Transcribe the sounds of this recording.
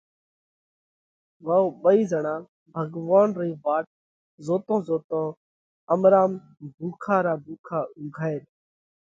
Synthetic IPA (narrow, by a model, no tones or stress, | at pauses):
ʋaːoːɓəiːzəɳãː | bʱəɡʋaːnɾiːʋaːʈ̚ | zoːt̪õːzoːt̪õː | əmɾaːm | bʱuːkʰaːɾaːbʱuːkʰaːʊɡʱaːeːɾ